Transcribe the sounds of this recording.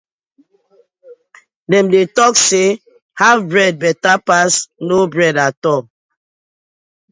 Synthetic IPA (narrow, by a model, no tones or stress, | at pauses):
dɛ̃mdetɔkse | havbɹɛd̚bɛtapasnobɹɛdatɔ